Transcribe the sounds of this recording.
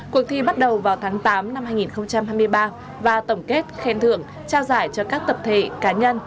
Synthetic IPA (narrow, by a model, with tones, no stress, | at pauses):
ku˨˩ək̚t̪ʰi˧ɓa˦˥t̚ɗə˨˩wvaː˨˩wt̪ʰaː˨˦ŋt̪aː˨˦mna˧mhaː˧jŋi˨˩nxə˧wŋ͡mt͡ɕa˧mhɦaː˧jmɨ˧əjɓaː˧ | vaː˨˩t̪ə˧˩wŋ͡mke˦˥t̚xɛ˨˦nt̪ʰɨ̰˧˨əŋ | t͡ɕaː˧wzaː˧˩jt͡ɕɔ˧kaː˦˥k̚t̪ə˨˩p̚t̪ʰe˧˩kaː˨˦ɲə˧n